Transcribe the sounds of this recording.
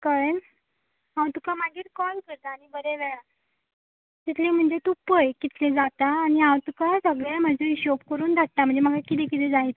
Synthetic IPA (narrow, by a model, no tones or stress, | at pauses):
kəɾən | ãwt̪ukamaɡiːɾkɔlkəɾt̪aːñibəɾẽʋɛɭa | t̪it̪ʰlim̤əɳd͡zet̪upəjkit̪ʰled͡zat̪aːñiɦãwt̪ukasəɡɭem̤əɳd͡ʑeiɕopkəɾuːnd̪ʱaʈ̚t̪am̤əɳd͡zem̤əɡakit̪ẽkit̪ɛ̃d͡zaɦit̪